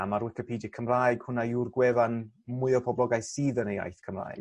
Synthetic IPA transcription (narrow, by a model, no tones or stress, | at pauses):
amaɾwɪkəpʰiːdikʰəmrajɡ̥hʊnajurɡwɛvan | mʊɨɔpʰɔblɔɡajsiːðəneja̰jθkʰəmra̰ːjɡ